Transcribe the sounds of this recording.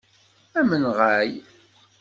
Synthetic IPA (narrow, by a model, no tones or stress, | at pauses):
æmənʁæj